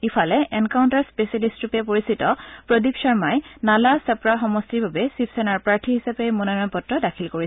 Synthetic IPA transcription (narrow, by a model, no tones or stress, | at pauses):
ifʰalɛʔɛnkawʊntaɹspesalistɹupɛpoɹisitɔpɹɔdipʃaɹmajnalasapɹaxɔmɔstiɹbʱabɛsipʰsɛnaɹpɹaɹtʰiɦisapɛmɔnanɔjpɔtɹɔdakʰilkoɹi